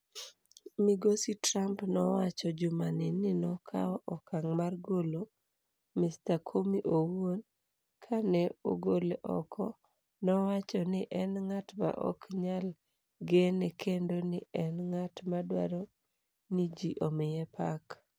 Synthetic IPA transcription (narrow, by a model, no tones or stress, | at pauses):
miɡositɾampnɔwat͡ʃɔd͡ʒʊmanɪnɪnɔkʰa̰ɔʔɔkaŋmarɡolo | mɪstakʰomiʔowon | kʰanɛo̰ɡoleʔɔ̰kʰɔ | nɔwat͡ʃɔnɪʔɛnŋatma̰ʔɔ̰kɲal | ɡenekʰendonɪɛnŋatmadwa̰ɾo | nid͡ʒiʔomɪjɛpak